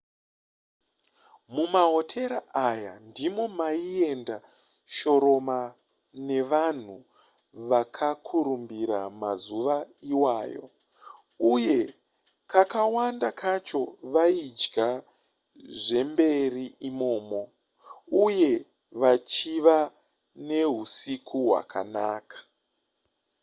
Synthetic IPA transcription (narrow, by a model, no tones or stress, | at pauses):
mumaɦo̞tʰe̞ɾaʔaja̰ndimo̞maie̞nda | ʃo̞ɾo̞ma | ne̞ʋan̤u | ʋakʰakʰuɾumbiɾa̰ma̰zuʋaiwaːjo̞̰ | uje̞ | kakawandakʰat͡ʃo̞ʋaid͡ʒɡa | ʐe̞mbe̞riimo̞ːmo̞ | uje̞ | ʋat͡ʃiʋa | ne̞ɦusikʰuɦwa̰ka̰na̰ːkḁ